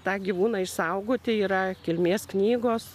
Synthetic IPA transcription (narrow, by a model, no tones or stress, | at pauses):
t̪ɑːɡʲiʋuːnɑːɪʃsɐʊɡoːt̪ʲɪiːɾɐkʲɪlʲmʲeːsknʲiːɡoːs